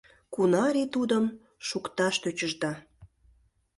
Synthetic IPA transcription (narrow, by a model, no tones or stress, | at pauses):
kunɑɾet̪ud̪əm | ʃukt̪ɑʃt̪øt͡ɕəʒd̪ɑ